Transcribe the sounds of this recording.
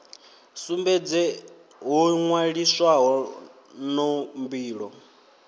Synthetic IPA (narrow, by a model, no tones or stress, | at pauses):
sumbɛd͡zɛ | ɦuŋwaɺiswaɦɔ | nɔmbiːɺɔ